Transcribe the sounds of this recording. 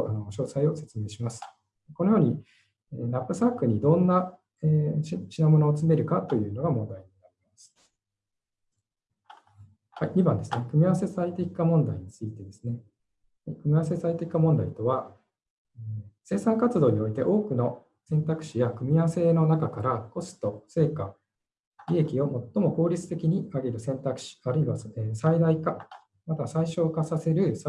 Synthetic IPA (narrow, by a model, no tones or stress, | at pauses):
ʔanoɕo̞ːsaio̞se̞t͡sɨme̞ːɕimasɨ̥ | eko̞nojo̞ːɲ̟i | enapːɯ̟sakːɯ̟ɲ̟id̪õ̞nːa | eːt͡ɕinamo̞no̞ːt͡sɨme̞ɾɯ̟kat̪o̞jɯ̟ːno̞ɡamõ̞nd̪aiɲ̟inaɾʲimmasɨ̥ | haiɲ̟ibã̰nd̪e̞sɨne̞kɯ̟mʲiaβase̞saet̪ekʲi̥kamõ̞nd̪aiɲ̟it͡sɨit̪e̞d̪e̞sɨne | kɯ̟mʲiaβase̞sait̪e̞kʲi̥kamõ̞nd̪ait̪o̞βa | ese̞ːsãŋkat͡sɨd̪o̞ːɲ̟io̞it̪e̞ʔo̞ːkɯ̟no̞ | sẽ̞nt̪akɯ̟̥ɕijakɯ̟mʲiaβase̞no̞nakakaɾako̞sɨ̥t̪o̞se̞ːka | ɾʲie̞kʲio̞mo̞t̪ːo̞mo̞ko̞ːɾʲit͡sɨ̥t̪e̞kʲiɲ̟iaɡe̞ɾɯ̟sẽ̞nt̪akɯ̟̥ɕi̥aɾɯ̟iβaesaid̪aika | mat̪asaiɕo̞ːkasase̞ɾɯ̟s